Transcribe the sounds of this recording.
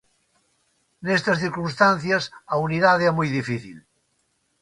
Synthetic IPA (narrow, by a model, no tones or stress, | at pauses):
nest̪ɐsθiɾkunst̪anθjɐsauniðaðeɾamujðifiθḭl